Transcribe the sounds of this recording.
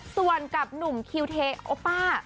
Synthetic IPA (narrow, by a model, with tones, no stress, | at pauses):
su˨˩ənka˨˩p̚nu˨˩mkʰi˧wt̪ʰeː˧ʔoː˧˦˥paː˥˩